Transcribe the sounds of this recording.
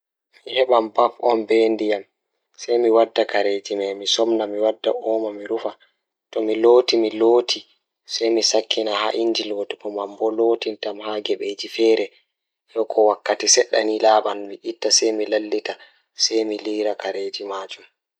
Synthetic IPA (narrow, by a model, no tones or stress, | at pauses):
mihɛɓambafɔnbendijam | sɛjmiwadːakaɾed͡ʒimamisɔmnamiwadːa̰ʔɔːmamiɾufa | tɔmiloːtimiloːtʰi | sɛjmisakʰːinaha̰ʔiɲd͡ʒilwɔdpɔmambɔloːtintamhaɡɛɓed͡ʒifɛɾɛ | jɔkʰɔwakːatisɛɗːa̰nilaːɓanmiʔitːasɛjmilalːita | sɛjmiliːɾakaɾed͡ʒimad͡ʒum